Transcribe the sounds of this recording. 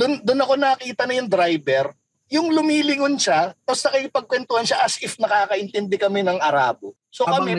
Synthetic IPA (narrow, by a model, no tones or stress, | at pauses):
d̪ʊnd̪ʊnɐko̞nɐkiːt̪ɐnɐjʊŋd̪ɾajbɛɾ | jʊŋlʊmiːlɪŋonʃat̪ɐst̪ɐkɐɪpɐɡ̚kwɛnt̪ʊhɐnʃaʔɐsʔɪfnɐkaːkɐʔɪnt̪ɛnd̪ɛkɐmɛnɐŋɐɾa̰ːbo | so̞kɐmɛ